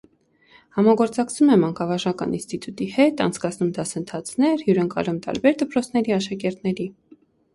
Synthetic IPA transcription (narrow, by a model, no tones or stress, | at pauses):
hɑmɑɡɔɾt͡sɑkt͡sʰumɛmɑŋkɑvɑʒɑkɑ̰nḭnst̪it̪ut̪ihɛt̪ɑ̰nt͡sʰkɑt͡sʰnumd̪ɑsənt̪ʰɑt͡sʰnɛɾhjuɾəŋkɑ̰ɾumt̪ɑ̰ɾbɛɾd̪əpɾɔt͡sʰnɛɾiɑʃɑkɛɾt̪nɛɾi